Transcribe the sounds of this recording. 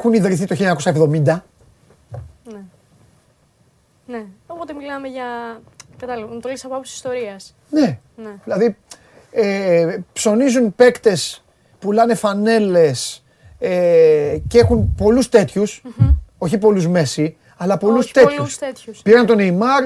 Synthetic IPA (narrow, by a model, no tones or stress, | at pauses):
xuniðɾiθit̪oçiʎɲɐɐko̞sɐevðo̞mind̪ɐ | ne | neopot̪emilɐmeʝɐ | pet̪ɐliont̪olisɐpoɐpussi̥st̪o̞ɾiɐs | ne̞ | nðilɐði | epso̞nizunpe̞kt̪e̞s | pulɐne̞fɐne̞le̞s | eceexunpo̞lust̪e̞t̪çuso̞çipo̞luzme̞si | ɐlɐpo̞lust̪e̞t̪ustet̪uspɾɐnt̪o̞neimɐɾ